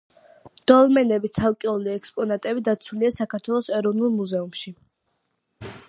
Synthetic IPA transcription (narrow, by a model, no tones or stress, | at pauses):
d̪̥ɔlˠmɛnɛbit̪sʰalˠkʼiuliɛkspʼɔnat̪ʼɛbid̪at̪sʰuliasakʰaɾt̪ʰwɛlˠɔsɛɾɔvnulˠmuzɛumʃi